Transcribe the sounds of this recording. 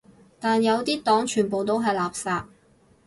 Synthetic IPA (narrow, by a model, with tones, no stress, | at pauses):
t̪aː˨njɐ˨˧wt̪iː˥t̪ɔː˨˥ŋt͡ʃʰyː˨˩npo˨wt̪̬o˥wɦɐ˨jlaː˨p̚saː˧t̚